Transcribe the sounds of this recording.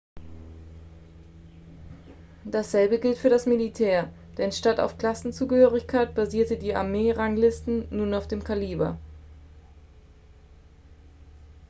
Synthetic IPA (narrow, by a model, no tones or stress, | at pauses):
d̥asz̥ɛlbəɡɪltfyːɐɾasmilitʰɛːɐ | d̥ɛnʃtata̰ʊfkl̥asn̩t͡suːɡəhøːʁ̞ɪçkʰaɪt̚b̥aziːɐtədiːa̰ɐmeːʁaŋlɪstn̩ːuːnaʊfd̥eːmkʰaliːbɐ̰